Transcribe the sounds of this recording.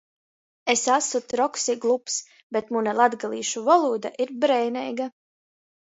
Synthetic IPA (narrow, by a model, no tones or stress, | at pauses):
esasut̪ɾɔksiɡlˠups | bet̪munalˠad̪ɡalˠḭːʃuvɔlˠuːd̪a̰ʔiɾbɾɛjnɛjɡa